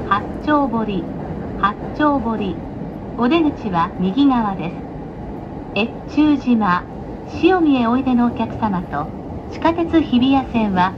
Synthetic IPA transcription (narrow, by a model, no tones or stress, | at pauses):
ha | t͡ɕo̞ːbo̞ɾʲi | ha | t͡ɕo̞ːbo̞ɾʲi | o̞d̪e̞ɡɯ̟t͡ɕiβamʲiɡʲiɡaβad̪e̞sɨ̥ | e̞ | t͡ɕɨːʑima | ɕio̞mʲie̞o̞id̪e̞noːkʲakɯ̟̥samat̪o̞ | t͡ɕi̥kat̪e̞t͡sɨçibʲijasẽ̞ɰ̃βa